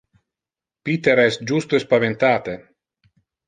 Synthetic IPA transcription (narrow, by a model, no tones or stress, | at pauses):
pit̪eɾɛsd͡ʒust̪oespavent̪aːt̪e